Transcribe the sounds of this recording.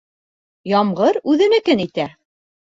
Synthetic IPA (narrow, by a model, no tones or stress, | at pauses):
jɑmʁɤɾʉðɘ̆nɘ̆kɘnit̪æ